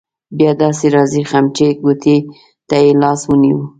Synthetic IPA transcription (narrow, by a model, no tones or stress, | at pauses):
bjɑd̪ɑseɾɑzixamt͡ʃeɡot̪ʰe | t̪ajelɑswəniwu